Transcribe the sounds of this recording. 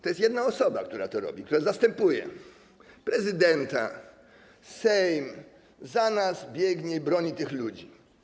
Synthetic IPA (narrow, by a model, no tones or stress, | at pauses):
t̪ɔjɛst̪jɛd̪naɔsɔba̰kt̪uɾa̰t̪ɔɾɔ̰bʲik̚t̪uɾazast̪ɛmpujɛ̰ | pɾɛzɘd̪ɛnt̪a̰ | sɛjm | zanazbʲjɛɡɲɛibɾɔɲit̪ɘxlud͡ʑi